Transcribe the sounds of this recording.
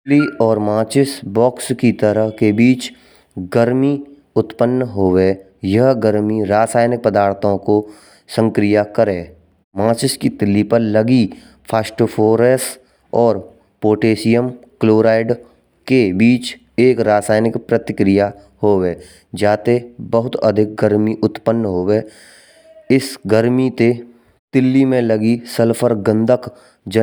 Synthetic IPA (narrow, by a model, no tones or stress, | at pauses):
liɔːɾmãːt͡ʃɪsbɔːkskit̪əɾəɦkebiːt͡ʃ | ɡəɾmi | ʊt̪pənːɦoːwe | jɐɦɡəɾmiɾaːsaːjnɪk̚pəd̪aːɾt̪ʰõko | sə̃ŋkɾɪjakəɾẽː | mãːt͡ʃɪskit̪ɪlːipəɾləɡi | pʰaːsʈəpʰoːɾeːs | ɔːɾ | poːʈeːsijəmkloːɾaːɪɖ | kebiːt͡ʃ | eːkɾaːsaːjnɪkpɾət̪ɪkɾɪja | hoːweː | d͡ʒaːt̪ebəɦʊt̪ə̰d̪ʱɪk̚ɡəɾmiʔʊt̪pənːɦoːweː | ɪsɡəɾmit̪e | t̪ɪlːimẽləɡisəlpʰəɾɡə̃nd̪ʱək | d͡ʒə